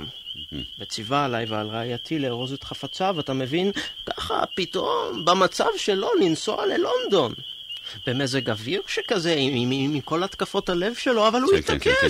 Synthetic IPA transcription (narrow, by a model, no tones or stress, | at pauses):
bet͡sivaːlajvea̰lʁeajatʰileːʁozet̪χafat͡savat̪ame̞vinkaχa̰pito̞mbamat͡savʃe̞lo̞ninso̞̰ale̞lo̞nd̪o̞nbemezeɡaviʁʃekaze̞iimiko̞lat̪kafo̞thale̞vʃe̞lo̞avaluit̪ake